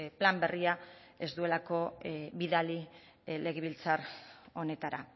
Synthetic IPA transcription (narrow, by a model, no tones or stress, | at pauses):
plambe̞riae̞zd̪ue̞lako̞βiðali | le̞ɣ̞eβ̞ilt͡saro̞ne̞t̪aɾa